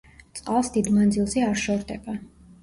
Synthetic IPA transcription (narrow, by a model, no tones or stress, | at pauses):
t̪sʼqʼalˠsd̪id̪mand̪zilˠziaɾʃɔɾd̪ɛba